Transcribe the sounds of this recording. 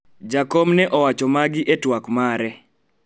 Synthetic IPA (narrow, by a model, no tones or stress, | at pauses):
d͡ʒakɔmnɛʔɔwat͡ʃɔmaɡɪʔetwakmaɾɛ